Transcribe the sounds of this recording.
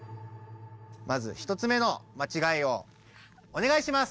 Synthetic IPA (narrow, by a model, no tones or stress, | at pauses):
mazɨ̰çi̥t̪ot͡sɨme̞no̞mat͡ɕiɡaio̞ | one̞ɡaiɕimas